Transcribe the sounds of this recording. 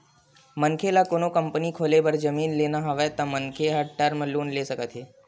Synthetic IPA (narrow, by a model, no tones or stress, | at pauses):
məŋkʰelakoːñokəmpənikʰoːlebəɾd͡ʒəmiːnlenaɦaʋet̪amənkʰeɦəʈəɾməloːnlesəkət̪ʰɦe